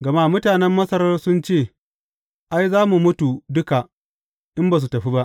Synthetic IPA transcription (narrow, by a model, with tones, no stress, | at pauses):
ɡɐ˨ma˦mʊ˦taː˨nɛ˦mːɐ˦sɐ˦ɾɐ˦rsʊ˦nt͡ʃeː˦˨ | ʔa˦jzaː˦mu˨mʊ˦tu˨dʊ˦ka˨ | ʔɪ˦mba˨s̬u˨tɐ˨ɸi˦ba˦ʔ